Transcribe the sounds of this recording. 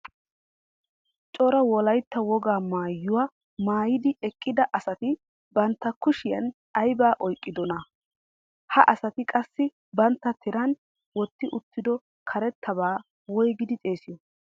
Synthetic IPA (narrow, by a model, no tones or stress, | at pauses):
t͡ʃʼɔɾɐwɔlɐjt̪ːɐwɔɡaːmaːjːʊwaː | maːjɪd̪ɪɛkʼːɪd̪ɐʔɐsɐt̪ɪ | bɐnt̪ːɐkʊʃɪjɐn | ɐjbaːʔɔjkʼːɪd̪ɔnɐ | hɐʔɐsɐt̪ɪkʼɐsːɪ | bɐnt̪ːɐt̪ʰɪɾɐn | wɔt̪ːɪʔʊt̪ːɪd̪ɔ | kʰɐɾɛt̪ʰːɐbaː | wɔjɡɪd̪ɪt̪ʼe̞ːsɪjɔ